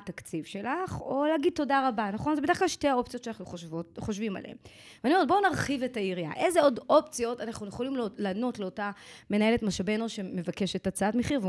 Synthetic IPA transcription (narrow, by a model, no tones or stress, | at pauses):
takt͡sivʃe̞laχo̞leaɡid̚to̞daʁabanaχo̞nzebedeχklalʃteao̞p̚t͡sijott͡ʃeanaχnuχovoχoʃvima̰lḛḛm | veaniomotbo̞naʁχive̞taiʁia̰ʔe̞zeo̞do̞pt͡sijo̞tanaχnujeχo̞limlano̞tle̞otame̞nae̞le̞tmaʃabenoʃe̞me̞vake̞ʃetat͡saatmeχiʁv